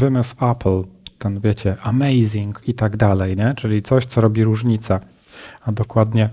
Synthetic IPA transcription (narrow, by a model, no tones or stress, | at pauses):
vɘmɘsaplt̪ɛnvʲjɛt͡ɕɛʔamɛjzʲiŋkit̪aɡd̪alɛjɲɛt͡ʂɘlʲit̪sɔɕt̪sɔɾɔbʲiɾuʐɲit̪sa | ad̪ɔkwad̪ɲɛ